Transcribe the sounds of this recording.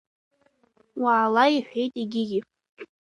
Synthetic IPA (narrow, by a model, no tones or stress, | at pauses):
waːlaiħʷᶣejtʼiɡʲɪɡʲɪ